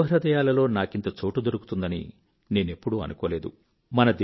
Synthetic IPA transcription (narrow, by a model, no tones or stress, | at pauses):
ɦɾɐd̪ɐjaːlɐlo̞ːnaːkint̪ɐt͡ʃoːʈud̪oɾuku̥t̪und̪ɐnḭ | ne̞ːne̞pːuɽuɐ̰nukɔːle̞ːd̪ṵ | mɐnɐd̪